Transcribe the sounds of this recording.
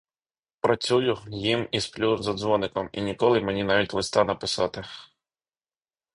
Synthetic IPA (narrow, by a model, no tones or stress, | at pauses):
pɾɐt͡sʲujʊjimisplʲuzɐd̪zʋɔnɪkɔmḭnʲikɔlˠɪmenʲinɑʋʲitʲlˠɪst̪ɑnɐpɪsɑt̪ɪ